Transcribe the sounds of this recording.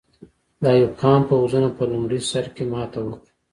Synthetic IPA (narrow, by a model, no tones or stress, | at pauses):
d̪ɑjawkɑːmpəwuzunapəlʊmɽisaɾkemɑːt̪awəki